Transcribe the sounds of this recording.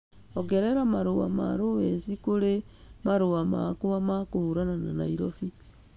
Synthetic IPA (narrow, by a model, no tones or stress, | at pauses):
ɔɡɛɾɛɾamaɾowa̰ma̰ɾowesikoɾemaɾowama̰koamakohuɾananana̰iɾɔfi